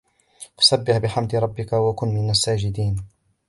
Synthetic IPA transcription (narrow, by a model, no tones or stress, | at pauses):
wḁsabːɪħbɪħamd̪ɪɾˤɑbːɪkawakʊnːmɪnasːaːd͡ʒɪd̪iːn